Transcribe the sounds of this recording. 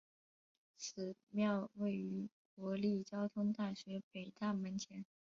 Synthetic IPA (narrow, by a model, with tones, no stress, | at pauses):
t͡sʰɹ̩˨˩mjɑ˥˧ʊwe˥˩ɪy˧˥kwɔ˧˥li˥˩t͡ɕjɑ˥ʊt̪ʰʊ˥ŋt̪a˥˩ɕɥɛ˧˥pe˨˩ɪt̪a˥˩mə˧˥nt͡ɕʰjɛ˧˥n